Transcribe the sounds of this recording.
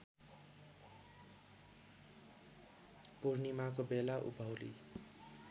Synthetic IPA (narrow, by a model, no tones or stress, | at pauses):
purnimakobelaʔṵbʱʌwlḭ